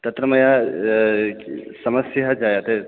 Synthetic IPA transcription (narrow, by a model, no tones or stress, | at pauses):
t̪ɐt̪ɾɐmɐja | sɐmɐsjɐɦɐd͡ʒaːjat̪e